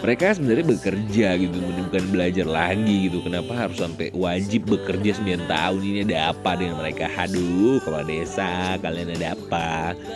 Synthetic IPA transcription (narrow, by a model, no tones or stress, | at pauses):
məɾekasəbənarɲabəkərd͡ʒaɡit̪umənibukanbəlad͡ʒarlaɡiɡit̪ukənapaɦaɾʊsampɛ̰wad͡ʒɪp̚bəkərd͡ʒasəmbiant̪a̰uniniadaːpadəŋanməɾekahadulkaloa̰daesakalianadaapa